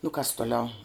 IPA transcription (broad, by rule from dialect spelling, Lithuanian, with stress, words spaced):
nʊ kɐs toːˈlʲɛʊ